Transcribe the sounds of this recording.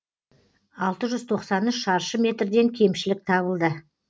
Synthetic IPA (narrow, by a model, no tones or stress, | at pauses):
ɑlˠt̪əʒʏz̥t̪ʰo̞qsɑnʏʃɑɾʃəmʲe̞t̪rd̪e̞ŋkʲʰe̞mʃɪlɪk̚t̪ʰɑβəlˠd̪ə